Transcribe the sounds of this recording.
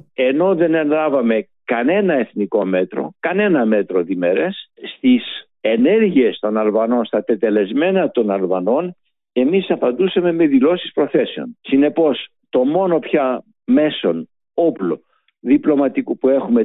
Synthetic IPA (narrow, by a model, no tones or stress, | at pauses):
e̞no̞ðe̞nenlɐvɐme̞ | kɐne̞nɐe̞θniko̞me̞t̪ɾo̞̰kɐne̞nɐme̞t̪ɾo̞ðime̞ɾesst̪is | e̞ne̞ɾʝie̞st̪o̞nɐlvɐno̞nst̪ɐt̪e̞t̪e̞le̞zme̞nɐt̪onɐlvɐno̞n | e̞misɐpɐnd̪usɐme̞me̞ðilo̞si̥spɾo̞θe̞seo̞̰nsine̞po̞s | t̪o̞mo̞no̞pçɐ | me̞so̞n | oplo̞ | ðiplo̞mɐt̪ikupue̞xume̞